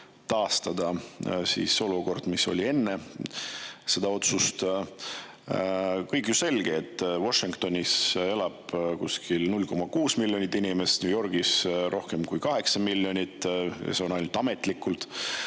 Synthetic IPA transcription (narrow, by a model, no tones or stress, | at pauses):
t̪ɑːst̪ɑd̪̥ɑsḭːso̞luko̞rd̪̥miso̞̰lʲie̞nːe̞ | se̞d̪̥ɑo̞t̪sust̪ | kɤjkjuse̞lɡ̥eːt̪ːˑvoʃiŋkt̪o̞nʲise̞lɑb̥kuskilnulʲːko̞mɑkuːsmilʲːo̞nʲit̪ːinimest̪nʲujo̞rɡ̥isɾʔo̞hke̞mkujkɑɦe̞ksɑmilʲːo̞nʲit̪ːˑjɑ̰seo̞nɑjnult̪ɑme̞t̪ːˑlikːˑult̪